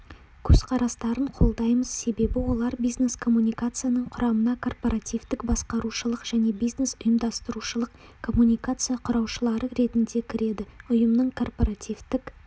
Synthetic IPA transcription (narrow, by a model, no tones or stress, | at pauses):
kʲʰɵzqʰɑɾɑst̪ɑɾəɴqʰo̞lˠd̪ɑjməz̥se̞be̞bɪwo̞lˠɑɾbijzne̞skʰo̞mːunʲijkat̪sɨjanəɴqʰʊɾɑmənɑkʰo̞rpo̞ɾat̪ijvt̪ɪkbɑsqɑɾuʃəlˠəqʒ̥æne̞bijzne̞sʊjəmd̪ɑst̪əɾuʃəlˠəq | kʰo̞mːunʲijkat̪sɨjaqʰʊɾɑwʃəlˠɑɾəɾe̞t̪ɪnd̪e̞kʲʰɪɾe̞d̪ɪʊjəmnəɴkʰo̞rpo̞ɾat̪ʲijvt̪ɪk